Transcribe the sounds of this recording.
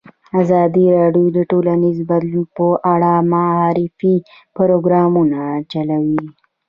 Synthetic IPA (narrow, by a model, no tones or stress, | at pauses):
azɑd̪iɾɑɖjod̪əʈolanizbad̪lunpəʔaɽamaːɾifi | pɾoɡɾɑmunat͡ʃalawi